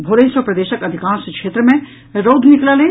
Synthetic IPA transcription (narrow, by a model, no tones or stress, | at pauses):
bʱoːɾẽɪ̃səpɾɐd̪eːʃəkɐd̪ʱikãːnsekʃeːt̪ɾəmẽ | ɾoːd̪ʱnɪklalẽː